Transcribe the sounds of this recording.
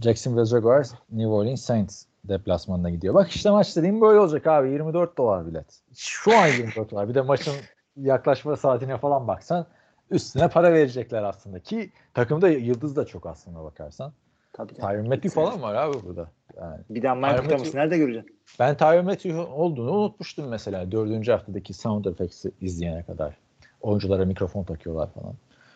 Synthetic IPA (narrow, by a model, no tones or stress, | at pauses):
d͡ʒɛksɯnvɛzoɡaɾznivolʲinsejnt̪ | d̪ɛplʲasmanɯnaɟid̪ijobaki̥ʃt̪ʰɛmat͡ʃlˠad̪ɯːmbø̞jlʲɛod͡ʒakaːbijiɾmid̪øɾt̪̚d̪o̞lˠaɾbilʲɛ̰t̪ | ʃuanjiɾmid̪øɾt̪ːˠaɾbid̪ɛmaʃɯn | jaklˠaʃmasaːt̪ʰinɛfalˠanbaksan | yst̪inɛpʰaɾave̞ɾed͡ʒɛclʲæɾaslˠɯnd̪acʰi | t̪ʰakɯmd̪ajɯlˠd̪ɯzd̪at͡ʃʰo̞kaslˠɯnd̪abakʰaɾsan | t̪ʰatʰaomːet̪ːyfalˠanvaɾaːbibuɾd̪a | jaːnɪbid̪maamʰasɯnæɾd̪ɛɟøɾyd͡ʒɛ | b̥ænt̪ʰajomet̪ʰyo̞lˠd̪uːnuːnut̪̚muʃt̪ɯmːɛse̞lʲaːd̪ø̞ɾd̪ynd͡ʒyhaft̪ʰad̪acʰisawnt̪efɛksiizlʲijenɛkʰad̪a̰ɾ̥ | o̞jund͡ʒulˠaɾamicɾo̞fo̞nt̪ʰakʰɯjo̞lˠa̰ɾfa̰lˠa̰n